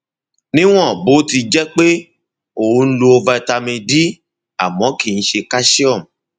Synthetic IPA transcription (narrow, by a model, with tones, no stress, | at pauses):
nĩ˦w̃ɔ̃˦˨bo˨˦ti˧d͡ʒɛ˦k͡pe˦ | o˨ũ˧˦˧n̩˦lo˧o˧va˧ɛ˧˨ta˧mĩ˧di˦ | a˦˨mɔ̃˨˦ki˦˨n̩˦ʃe˧ka˦ʃi˦ɔ˦˨m˨